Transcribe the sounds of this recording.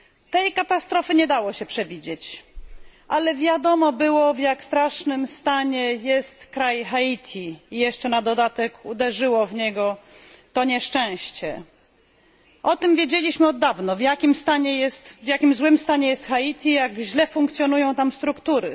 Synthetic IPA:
t̪ɛjkat̪ast̪ɾɔfɘɲɛd̪awɔɕɛpʂɛvʲid͡ʑet͡ɕ | ʔalɛvʲjad̪ɔmɔbɘwɔvjakst̪ɾaʂnɘmst̪aɲɛjɛst̪kɾajxait̪ʲʰiijɛʂt͡ʂɛnad̪ɔd̪at̪ɛkud̪ɛʐɘwɔvɲɛɡɔt̪ɔɲɛʂt͡ʂɛ̃w̃ɕt͡ɕɛ | ʔɔt̪ɘmvʲjed͡ʑelʲiɕmɘɔd̪ːavnɔvjakʲimst̪aɲɛjɛst̪vʲjakʲimzwɘmst̪aɲɛjɛst̪xait̪ʲijaɡʑlɛfuŋkt̪sʲjɔnujɔ̃w̃t̪amst̪ɾukt̪uɾɘ

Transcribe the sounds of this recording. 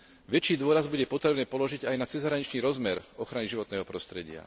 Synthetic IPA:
ʋɛt͡ʃiːd̪ʊɔɾazbuɟɛpɔt̪ɾɛbnɛːpɔlɔʒiɟajnat͡sɛzɦɾaɲit͡ʃniːɾɔzmɛɾɔxɾaniʒiʋɔt̪nɛːɦɔpɾɔst̪ɾɛɟɪa̰

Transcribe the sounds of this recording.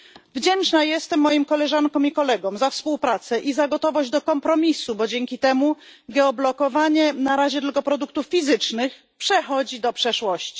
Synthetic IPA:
vd͡ʑɛnt͡ʂnajɛst̪ɛmːɔjimkɔlɛʐaŋkɔ̃mikɔlɛɡɔ̃mzafspuwpɾat̪sɛʔizaɡɔt̪ɔvɔʑd͡ʑd̪ɔkɔmpɾɔmʲisubɔd͡ʑɛŋkʲit̪ɛmuɡɛɔblɔkɔvaɲɛnaɾaʑɛt̪ɘlkɔpɾɔd̪uk̚t̪uffʲizɘt͡ʂnɘx | pʂɛxɔd͡ʑid̪ɔpʂɛʂwɔɕt͡ɕi̥

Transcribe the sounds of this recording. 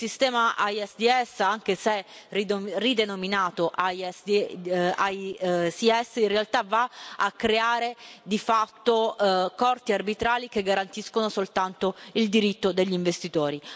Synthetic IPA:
sist̪ɛːmaʔajɛsd̪iɛsːaŋk̟esɛirid̪enominaːt̪oʔaj | ajsiɛsinrealt̪avaakːɾeaːɾed̪ifat̪ːokɔrt̪iarbit̪ɾaːlikeɡːaɾant̪iskonosolt̪ant̪oild̪iɾit̪ːod̪eʎːiɱvest̪it̪ɔːɾi

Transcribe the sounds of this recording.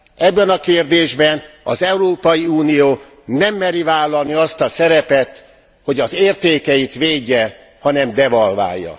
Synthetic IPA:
ɛbːɛnɒkeːrd̪eːʒbɛnɒzɛuɾoːpɒjiuːnijoː | nɛmːɛɾivaːlːɒlniɒst̪ɒsɛɾɛpɛt̪ | ho̞ɟɒzeːrt̪eːkɛjit̪ʋeːɟːɛ | hɒnɛmd̪ɛvɒlva̰ːjːɒ̰

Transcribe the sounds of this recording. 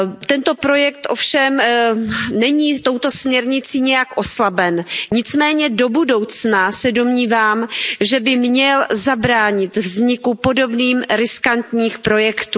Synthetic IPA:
t̪ɛnt̪o̞pɾo̞jɛk̚t̪ʔo̞fʃɛm | nɛɲiːt̪o̞wt̪o̞smɲɛɾɲɪt͡siːɲɛjakʔo̞slabɛnɲɪt͡smɛːɲɛdo̞budo̞wt͡snasɛdo̞mɲiːvaːmʒɛbɪmɲɛlzabɾaːɲɪt̪vzɲɪkupo̞do̞bniːmɾɪskant̪ɲiːxpɾo̞jɛkt̪uː

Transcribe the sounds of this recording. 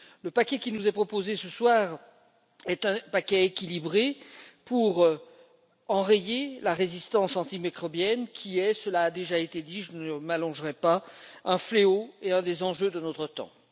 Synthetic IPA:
ləpakʲɛkʲinuzɛpχɔpozesəswaːʁ | ɛt̪ɛ̃pakʲɛekʲilibʁepuʁ | ɑ̃ʁejelaʁezist̪ɑ̃sɑ̃t̪imikχɔbjɛnkʲʰiɛsəlaːd̪eʒaet̪ed̪iʒənəmalɔ̃ʒʁɛpaɛ̃fleoeɛ̃d̪ezɑ̃ʒød̪ənɔt̪χət̪ɑ̰̃

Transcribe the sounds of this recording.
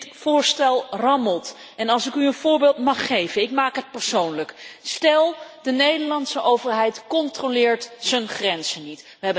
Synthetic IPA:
tfʊːɹstɛlˠrɑməlˠt | ɛnɑlˠsɪkyənvʊːɹbeːlˠtmɑχːejvənɪkmaːkɦət̚pɛɹsownləkstɛlˠdənejdəɹlɑntsəʔowvəɹɦɛjtkɔntrolɪːɹtsənχrɛnzənit | ʋəɦɛbə

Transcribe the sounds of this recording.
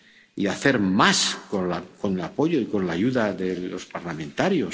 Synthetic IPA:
iaθe̞ɾmasko̞nlako̞nelapo̞ʎo̞iko̞nlaʝuðaðe̞o̞spaɾlamẽ̞nt̪aɾjo̞s

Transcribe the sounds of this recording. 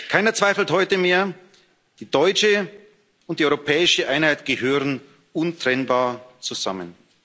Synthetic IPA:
kʰaɪnɐt͡sv̥aɪfl̩thɔʏtəmeːɐ | d̥iːdɔʏt͡ʃə | ʊnt̚d̥iːɔʏʁopʰɛːɪʃəʔaɪnhaɪtɡ̥əhøːʁən | ʔʊntʁ̥ɛnbaːɐt͡suza̰mən

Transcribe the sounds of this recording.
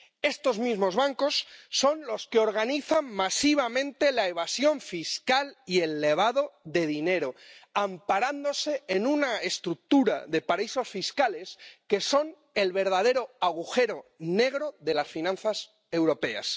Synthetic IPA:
e̞st̪o̞zmizmo̞zβaŋko̞sːo̞nlo̞skeo̞ɾɣ̞aniθanmasiβ̞amẽ̞nt̪e̞laeβ̞asjo̞ɱfiskalie̞lːe̞β̞aðo̞ðe̞ðine̞ɾo̞ampaɾand̪o̞se̞ːnunaest̪ɾuk̚t̪uɾa̰ðe̞paɾaiso̞sfiskale̞ske̞so̞n | e̞lβe̞ɾðað̞e̞ɾo̞aɣ̞uxe̞ɾo̞ne̞ɣ̞ɾo̞ðe̞lasfinãnθas | e̞wɾo̞pe̞a̰s

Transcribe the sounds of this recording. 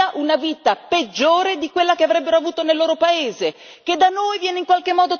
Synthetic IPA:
aʔunaviːt̪aped͡ʒːoːɾed̪ikwelːakeavɾɛbːeɾoavuːt̪onelːoːɾopaeːze | k̟ed̪anojvjɛːneiŋkwalkemːɔːd̪o

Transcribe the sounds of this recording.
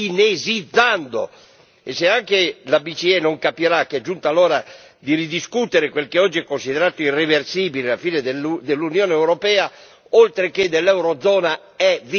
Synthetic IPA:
inezid̪zːand̪o̰ | eseaŋk̟elabit͡ʃiɛnoŋkapiɾakːɛd͡ʒːunt̪alɔːɾa | d̪iɾid̪iskut̪eɾekwelkeɔd͡ʒːiɛkːonsideɾaːt̪oireversiːbileafiːned̪d̪elːunjoːneɛwɾɔpɛːa | olt̪ɾeked̪elːɛwɾɔd̪zɔːna | ɛvi

